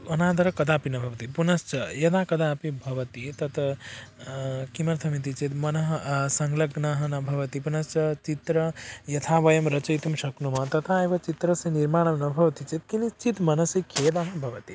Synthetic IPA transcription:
ɐnãd̪ɐɾɐkɐd̪apinɐbʱɐʋt̪ipunɐst͡ʃʰɐjɐd̪akɐd̪apibʱɐʋɐt̪it̪ɐt̪ɐ | kimɐɾt̪ʰɐmit̪it͡ʃit̪mɐnɐɦsɐŋɡlɐɡnɐɦɐnɐbʱɐʋɐt̪ipunɐst͡ʃʰʌt͡ʃit̪ɾəjɐt̪ʰabɐjɐmɾɐt͡ʃɐjt̪umsɐknumɐt̪ɐt̪aebɐt͡ʃit̪ɾəsɐ̃niɾmaːñɐmnɐbʱɐʋɐt̪it͡ʃit̪̚kinist͡ʃit̪mɐnɐsikʰed̪aɦɐbʱɐʋət̪i

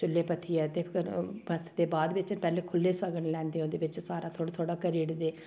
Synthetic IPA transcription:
t͡ʃʊlːeːpət̪ʰiːɛːt̪eːkəɾbət̪ʰd̪eːbaːd̪ʋɪt͡ʃpɛːleːkʰʊlːeːsəɡənlɛ̃ːnd̪eːõːd̪eːʋɪt͡ʃsaːɾaːt̪ʰoːɽt̪ʰoːɽaːkəɾiːɽd̪eː

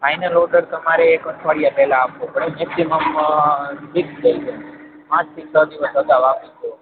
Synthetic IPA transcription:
fajnəlɔɖəɾt̪əmaɾeːkəʈʰəɽijapɛlãapʋopəɽemɛksiməm | ɖiksd͡ʒəid͡ʒʰe | pãt͡ʃt̪ʰisəd̪iʋəsəd̪aʋapit͡ʃʰu

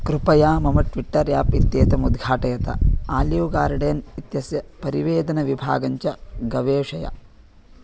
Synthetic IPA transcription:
kɾupɐjaːmɐmɐʈʋiʈːɐɾjaːpit̪jeːt̪ɐmud̪ɡʱaːʈɐjɐt̪ɐ̰aːljɐwɡaːɾɖeːnit̪jɐsjɐpɐɾiʋeːd̪ɐnɐʋibʱa̰ːɡɐɲt͡ʃɐɡɐʋeːʂɐjɐ̰

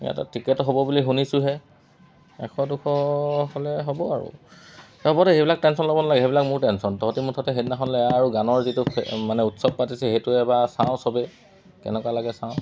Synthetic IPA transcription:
a̰ta̰tɹikɛtɔɦobɔbuliɦunisʊɦɛ | ɛ̰kʰɔdukʰɔholɛɦobɔaɹṵ | ɛɔbɔtɛejbilak̚tɛnsɔnlobɔnalaɡɛɦebilakmʊɹtɛnsɔntɔɦɔtimutʰɔtɛɦetnaxɔnlɛaɹuɡanɔɹzituɛmanɛutsɔb̚patisɛhetʊɛbasaw̃sɔbɛ | kɛ̰nɛkwalaɡɛsãʊ̃

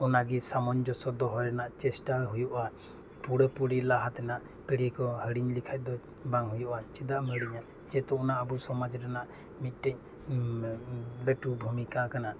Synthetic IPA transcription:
ɔnaɡisamɔɲd͡ʒɔsɔd̪ɔɦɔɾɛnaʔt͡ʃɛsʈaɦujuʔa | puɽəpuɽilaɦat̪ɛnaʔ | pəɽikɔhəɽiɲlikʰac̚ˀd̪ɔ | baŋɦujuʔat͡ʃɛd̪aʔməɽiɲa | d͡ʒɛt̪ɔɔnaʔəbusɔmad͡ʒɾanaʔ | mit̪̚ˀʈɛɲ̚ | bɛʈubʱumikakana

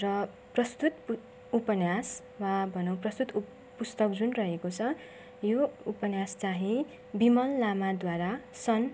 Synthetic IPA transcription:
rʌ | prʌst̪ut̪p | upʌnjas | wabʱʌnʌw̃prʌst̪ut̪ | pust̪ʌkd͡zunrʌɦekot͡sʰʌ | joupʌnjast͡saɦĩ | bimʌllamad̪waɾasʌn

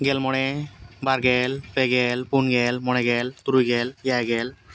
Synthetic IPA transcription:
ɡɛlmɔɽebaɾɡelpeɡelpunɡelmɔɽ̃eɡɛlt̪uɾujɡeljaɡɛl

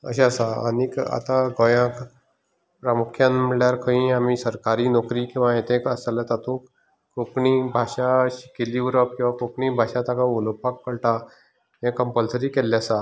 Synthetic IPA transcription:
ə̰ɕesaənika̰t̪aɡɔjãk | pɾamukʰjãnmiɭjaɾkʰə̃ĩamisəɾkaɾiːnɔkɾiːkĩw̃ʋajet̪ʰẽkəsalat̪at̪ʰũːk | kokɳibʱaɕaɕi̥keliuɾək̚kːĩw̃ʋakokɳibʱaɕãt̪akaolopakːəɽʈa | ɦẽkəmpəlsəɾiːkɛlːjasa

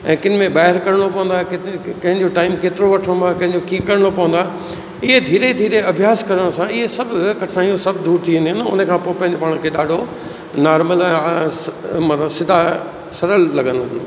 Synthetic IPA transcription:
ɛ̃ːkɪnɪ̆mẽɓaːɦɪɾkɐɾəɽ̃opɐʋə̃nd̪aːkɪt̪kɐ̃ɦɪ̃ɲd͡ʑoʈaːɪmkeːt̪ɪɾoʋɐʈʰəɽ̃nd̪aːkɐ̃ɦɪ̃ɲd͡ʑokĩːkɐɾəɽ̃opɐʋə̃nd̪aɦ | ɪɦed̪ʱiːɾed̪ʱiːɾeɐbʱjaːskɐɾəɽ̃sãɪɦesɐbʱkɐʈʰnaːijõsɐbʱd̪uːɾt̪ʰiʋĩnd̪iɦɪ̃nʊ̰nəkʰãːpoːɪpɐ̃ɦɪ̃ɲd͡ʑopaːɽ̃kʰeɗaːɖʱo | naːɾməlɛ̃ | mɐt̪əsɪd̪ʱa | sɐɾəlːɐɠə̃nd̪oɦɪnd̪

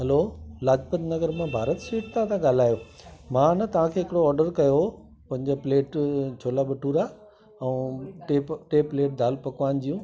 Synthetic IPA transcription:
ɦɐloːlaːd͡ʑpəd̪nɐɡəɾmãbʱaːɾət̪siːʈt̪ʰãt̪ʰãɠaːl̤aːjomãnɐt̪ɐʋ̤ãkʰeːɦɪkɪɽoɔːɾɖəɾkɐjo | pɐ̃ɦɪ̃ɲd͡ʑepleːʈt͡ɕʰoːlaɓɐʈuːɾaː | ɛũʈeːʈeːpleːʈ̚d̪ʱaːlpɐkʋaːn̆d͡ʑijũː

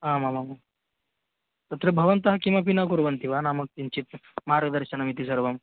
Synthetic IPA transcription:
ɦaːmamama | t̪ɐt̪ɾebʱɐʋɐnt̪ɐɦɐkimɐpinakuɾʋɐnt̪iʋanaːmɐk̚t̪int͡ʃit̪̚maɾɡəd̪ɐɾʃɐnɐmit̪isɐɾʋɐm

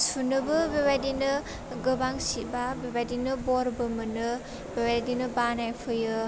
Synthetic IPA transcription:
sunɯbɯbebajdinɯ | ɡɯbaŋsibabebajdinɯbɔɾbɯmɯnɯ | bebadinɯbanajpʰɯjɯ

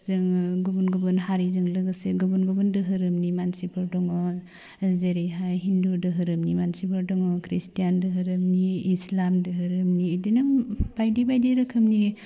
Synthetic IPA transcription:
zɯŋɡubunɡɔbɯnɦaɾizɯŋlɯɡɯseɡubunɡɔbundɯɦɯɾɯmnimansipʰɯɾdɔŋɔ | zeɾiɦajɦindudɯɦɯɾɯmnimansipʰɯɾdɔŋɔkʰɾistijandɯɦɯɾɯmniːslamdɯɦɯɾɯmniːdinɯb̥ajdibajdiɾɯkʰɯmni

